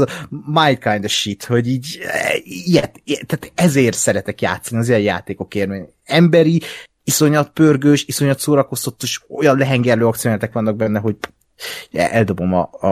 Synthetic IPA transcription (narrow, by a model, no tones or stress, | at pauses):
majnt̪̚kajnd̪ɒʃit̪ho̞ɟiːɟ | ijɛt̪t̪aːt̪ɛzeːrt̪sɛɾɛt̪ɛkja̰ːt̪sːɒniɒziɛjja̰ːt̪eːko̞kermeːɲ | ɛmbɛɾi | iso̞ɲɒt̪̚pørɡøːʃiso̞ɲɒt̪soːɾɒko̞st̪ot̪ːeʃo̞̰jɒnlɛɦɛŋɡɛrløːɒkt̪sionaːlt̪ɛkʋɒnːɒɡ̚bɛnːɛɦo̞ɟ | ɛ̰ʔɛld̪o̞bo̞mɒ̰